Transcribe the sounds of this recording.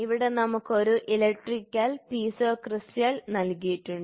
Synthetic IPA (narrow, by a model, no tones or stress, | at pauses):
iʋiɽe̞nɐmukːo̞ɾuʔilek̚ʈrikkʲːaːlpiːsoːkrɨstjaːlnɐlkijiʈːuɳɖɨ